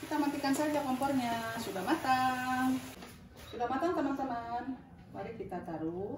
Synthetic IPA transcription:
kit̪amənt̪ikansad͡ʒakɔmpɔrɲasudahmat̪aŋ | sudamat̪aŋt̪əmant̪əman | waɾikit̪at̪aɾu

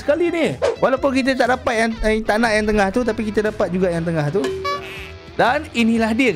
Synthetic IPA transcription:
sə̥kaliniwalawpʊnkit̪̬ət̪̬aʔdapat̪̚jaŋt̪aʔnãʔjaŋt̪əŋãht̪ut̪̬apikit̪ədapat̪̚d͡ʒuɡajaŋt̪̬əŋãht̪u | daninĩlahdiək

